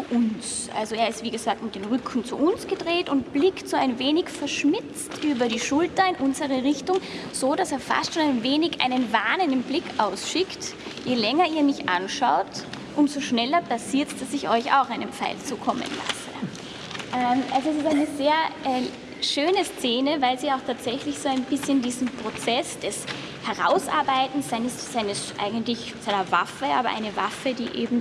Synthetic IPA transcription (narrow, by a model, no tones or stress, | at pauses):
t͡suʔʊns | ʔa̰lzoeːɐɪstv̥iːɡəzaːk̚tmɪt̚d̥eːnʁʏkʰn̩t͡sṵʔʊnsɡ̥ədʁeːtʊntb̥lɪktz̥oːaɪnveːnɪçfɛɐʃmɪt͡stʔyːbɐɾiːʃʊltɐɪnʔʊnzəʁəʁɪçtʊŋz̥oːdaseːɐfa̰stʃoːnaɪnveːnɪçʔa̰ɪnənvaːnəndn̩blɪkʰʔaʊsʃɪkt | jeːlɛŋɐiːɐmɪçʔanʃaʊtʔʊntz̥oʃnɛlɐpʰasiːɐtd̥asɪçɔʏça̰ʊxaɪnəmpfa̰ɪlt͡suːkʰɔmə̰nla̰sə̰ | ʔɛmʔalzoɛsɪstaɪnəzeːɐʔɛ | ʃøːnəst͡seːnəvaɪlziːaʊxtʰaːtz̥ɛçlɪçz̥oːaɪnbɪsçəndiːzn̩m̩pʁ̥ot͡sɛsd̥ɛs | hɛɐʁa̰ʊsʔa̰ɐbaɪtn̩saɪnəsːaɪnəsʔa̰ɪɡən̩tlɪç | saɪnɐva̰fəʔaːbɐʔa̰ɪnəvafədiːʔḛːbm̩